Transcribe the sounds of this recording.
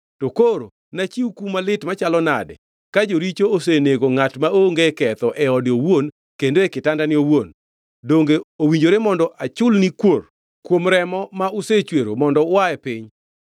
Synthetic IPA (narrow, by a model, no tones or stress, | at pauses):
tokoɾo̰ | nat͡ʃiukumalɪtmat͡ʃalɔna̰dɛ̰ | kad͡ʒoɾit͡ʃooseneɡoŋatmaoŋɡekɛt̪ɔʔɛɔdɪowon | kendoekɪtandanɪowon | doŋɡeowiɲd͡ʒoɾemɔndɔʔat͡ʃʊlnikwor | kwomɾɛmɔmaʊset͡ʃweɾomɔndɔwaɛpɪɲ